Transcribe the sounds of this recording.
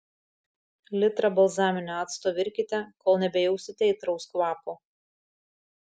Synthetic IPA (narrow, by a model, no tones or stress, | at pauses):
lʲɪt̪ɾɐbɐlˠzɑːmʲɪnʲoɑːt̪st̪oːʋʲɪɾʲkʲɪt̪ʲɛkoːlˠnʲɛbʲɛjɛʊsʲɪt̪ʲɛɪt̪ɾɐʊskʋɑːpoː